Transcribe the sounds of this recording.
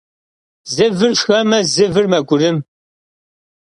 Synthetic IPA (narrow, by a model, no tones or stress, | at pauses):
zɨvɨrʃxɐmɐzɨvɨrmɐɡʷʊɾɨm